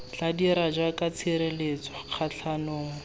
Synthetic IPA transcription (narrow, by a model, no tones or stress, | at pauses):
t͡ɬadiɾad͡ʒwakat͡sʰiɾelet͡swaq͡χʰaɬʰanoːŋ̩